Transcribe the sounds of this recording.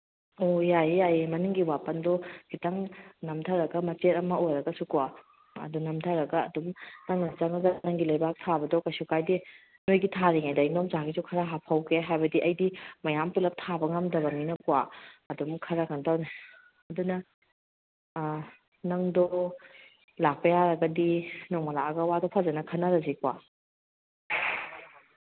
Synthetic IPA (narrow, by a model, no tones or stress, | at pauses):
ojajjajemɐnuŋɡiwapɐndɔɡ̥itɐŋnɐmtʰaɾɐɡɐmɐt͡ʃetɐmɐojɾɐɡɐsukuwa | ɐ̰dunɐmtʰaɾɐɡɐːdumnɐŋnɐt͡ʃaŋɐzanɐŋɡilɐjbak̚tʰabɐdɔkɐjsukajdi | nojɡitʰaɾiŋajdɐinomzaɡizukʰɐɾaɦapʰawkʰeɦajbɐdiʔɐjdimɐjampilɐp̚tʰabɐŋamdɐbɐminɐkuwaɐdumkʰɐɾakʰantawne | ɐdunɐ | nɐŋdɔ | lak̚pɐjaɾɐɡɐdinɔŋmɐlaɐɡɐwadɔpʰazɐnɐkʰɐnːaɾɐzikwa